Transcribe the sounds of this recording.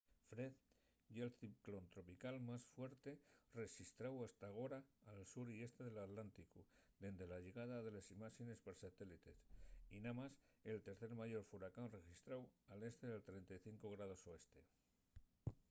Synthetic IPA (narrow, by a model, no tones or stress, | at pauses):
fɾe̞ð | jelθipklo̞nt̪ɾo̞pikalmasfwe̞ɾt̪e̞re̞xist̪ɾawast̪aɣ̞o̞ɾaːlsuɾie̞st̪e̞ðe̞lat̪lant̪ikud̪e̞nd̪e̞laʝeɣ̞aðaðe̞lesimaxene̞speɾsat̪e̞lit̪e̞sinamase̞lt̪e̞ɾθe̞ɾmaʝo̞ɾfuɾakanre̞xist̪ɾawale̞st̪e̞ðe̞lt̪ɾe̞nt̪ajθiŋko̞ɣɾað̞o̞soe̞st̪e̞